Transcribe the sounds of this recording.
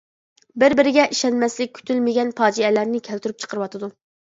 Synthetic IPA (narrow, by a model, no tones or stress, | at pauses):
bɪɾbɪɾɪɡʲɛʔiʃɛnmɛslɪk̚ʲkʲʰːy̥t̪ʰylmɪɡʲɛnpɑːd͡ʒiɛlæɾnɪkʲʰɛlt̪yɾyp̚t͡ʃʰə̥qʰəɾɨwɑt̪ʰɨd̪u